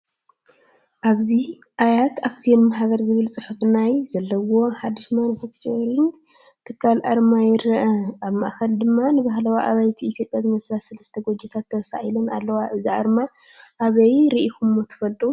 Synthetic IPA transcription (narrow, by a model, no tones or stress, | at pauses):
ʔaβzi | ʔajat̪aksijenmaħaɡɐɾzɨβɨlt͡sʼɨħufnajzɐlːɐwo̞ħad̪ɨʃmanufakt͡ʃʰɾɨn | t̪ʰɨkʰːalʔa̰ɾmajɪɾɐʔɐʔaβmaʔkɐld̪ɨmːanɨβahlawaʔa̰βajt̪ʰiit̪ʰjo̞pʼjazmɐslasɐlɐst̪ʰɐɡʷod͡ʒɛt̪ʰat̪ʰːɐsa̰ʕilɨna̰lːɐwaʔɨziʔa̰ɾmaʔaβɐjɾiʔikumːot̪ʰɐ̥fɐlt̪ʼu